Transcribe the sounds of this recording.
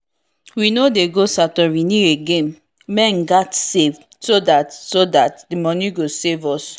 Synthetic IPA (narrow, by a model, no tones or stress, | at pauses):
winodeɡosatɔwiniɹeɡẽm | mɛ̃nɡatsev | sodatsodatdimɔniɡosevɔs